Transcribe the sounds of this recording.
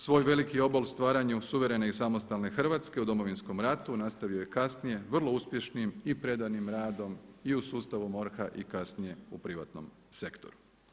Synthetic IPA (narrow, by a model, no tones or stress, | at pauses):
sʋo̞ːjʋe̞likio̞bolˠst̪ʋaːɾaɲusuʋe̞ɾe̞neisamo̞st̪alne̞xr̩ʋat̪ske̞ud̪o̞mo̞ʋinsko̞mɾat̪unast̪aʋijoje̞kasnije̞ʋr̩lˠo̞uspʲje̞ʃnimipɾe̞d̪animɾaːd̪o̞miusuːst̪aʋumo̞ɾxaʔikasnije̞upɾiʋa̰t̪no̞̰m | se̞kt̪o̞̰ɾu